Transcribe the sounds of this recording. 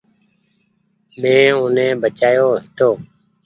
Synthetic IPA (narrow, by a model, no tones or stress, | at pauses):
mẽːʊnẽːbət͡ʃaːjoːɦɪt̪oː